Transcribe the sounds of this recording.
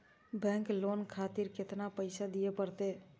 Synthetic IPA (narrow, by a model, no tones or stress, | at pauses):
bɛ̃ːŋkloːnkʰaːt̪ɪɾkɪt̪napəɪsad̪ijepəɾt̪e